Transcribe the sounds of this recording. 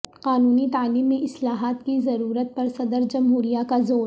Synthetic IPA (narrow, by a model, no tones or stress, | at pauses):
qaːnuːnit̪aːliːmːẽʔɪslaːɦaːt̪kizɐɾuːɾət̪̚pɐɾsɐd̪əɾd͡ʒɐmɦuːɾijakazoː